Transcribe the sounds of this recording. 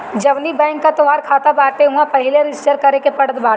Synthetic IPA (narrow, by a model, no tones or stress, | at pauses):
d͡ʒɐʋlibɛ̃ːŋkːat̪ʊʋaːɾkʰaːt̪abaːɾʈ̪eɦuãpɐɦɪleɾɪd͡ʒɪsʈəɾkɐɾekepɐɽət̪baːʈ